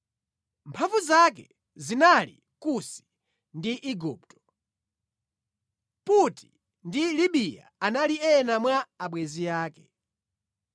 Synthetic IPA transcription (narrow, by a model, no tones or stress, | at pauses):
mpʰaɱvuzakɛ | zinalḭ | kusi̥ | ndiʔiɡuːp̚tɔ̥ | puti | ndiliɓija̰analiɛnamwaːɓwɛziaːkɛ